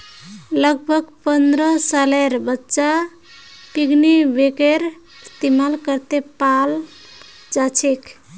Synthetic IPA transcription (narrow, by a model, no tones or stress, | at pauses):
ləɡ̚bʱəɡpənd̪ɾəsaleɾbətːt͡ʃa | piɡnibekeɾ | st̪imalkəɾt̪epal | d͡ʒat͡ʃʰekʰ